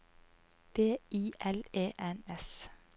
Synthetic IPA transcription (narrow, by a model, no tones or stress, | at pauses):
b̥eːiːʔɛleːʔɛnɛs